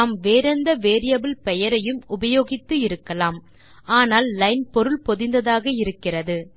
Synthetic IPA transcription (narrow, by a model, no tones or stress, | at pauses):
aːmʋeːɾɐnd̪ɐʋeːɾɪjɐbɪlpɛjɐɾɐjɯmʊbɐjoːɣɪt̪ːɯɪɾɯkːɐlaːm | ʔaːnaːlːɐɪnpɔɾɯlpɔðɪnd̪ɐðaːɣɐɪɾɯkːɪrɐðɯ